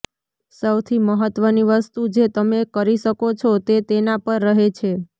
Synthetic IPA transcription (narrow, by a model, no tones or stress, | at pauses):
səwt̪ʰiməɦət̪ʋəniʋəst̪ud͡ʒet̪əmekəɾiʃəkot͡ʃʰot̪et̪enapəɾːəɦet͡ʃʰe